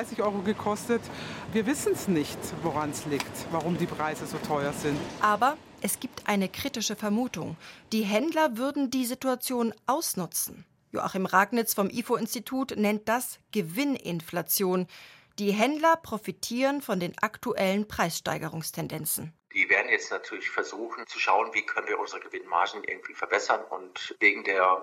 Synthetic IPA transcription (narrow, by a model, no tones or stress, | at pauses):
ɪsɪçʔɔʏʁoɡəkʰɔstətviːɐvɪsn̩snɪçtvoʁansliːktvaʁʊmdiːpʁ̥aɪzəzoːtʰɔʏɐzɪntʔaːbɐ | ʔɛsɡ̥iːp̚tʔa̰ɪnəkʁ̥iːtɪʃəfɛɐmuːtʊ̰ŋd̥iːɦɛndlɐvʏɐdn̩diːzituat͡sjoːnʔaʊsnʊt͡sn̩ | jo̰ʔa̰χimʁaːɡnɪt͡sfɔmʔiːfoɪnstitʰuːtnɛnt̚d̥asɡ̥əvɪnʔɪ̰nflat͡sjoːnd̥iːɦɛndlɐpʁ̥ofitʰiːʁənfɔndeːnʔaktuʔɛlənpʁ̥aɪsʃta̰ɪɡəʁ̞ʊŋstʰɛndɛnt͡sn̩ | d̥iːveːɐdn̩jɛt͡stnatʰyːɐlɪçfɛɐzuːxn̩t͡suʃaʊənviːkʰœnən̩viːɐʔʊnzəʁəɡəvɪnma̰ɐʒn̩ʔɪ̰ɐɡŋ̩tv̥iːfɛɐbɛsɐnʊ̰ntveːɡŋ̩deːɐ